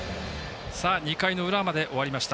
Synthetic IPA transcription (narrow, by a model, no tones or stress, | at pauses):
saːɲ̟ikaino̞ɯ̟ɾamad̪e̞ʔo̞βaɾʲimaɕi̥t̪a